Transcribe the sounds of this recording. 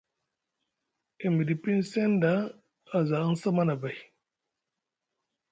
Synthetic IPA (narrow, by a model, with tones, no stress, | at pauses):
e˨mi˨di˨pi˦n˦se˦ndaː˨˦˨ | za˨a˦n˦sa˦ma˦na˨ba˨j